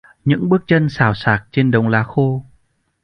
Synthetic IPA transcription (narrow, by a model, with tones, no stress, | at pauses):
ɲɨ̰˧˥ŋɓɨ˦˥ək̚t͡ɕə˧nsaː˧˩wsaː˨˩k̚t͡ɕe˧nɗə˨˩wŋ͡mlaː˧˥xo˧